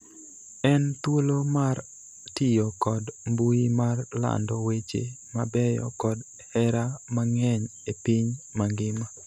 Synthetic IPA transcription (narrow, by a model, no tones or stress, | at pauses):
ɛnt̪wolomar | tɪjɔkɔdmbuimarla̰ndɔwet͡ʃḛmabɛjɔ̰kɔd | hɛɾamaŋɛɲepiɲmaŋɡɪma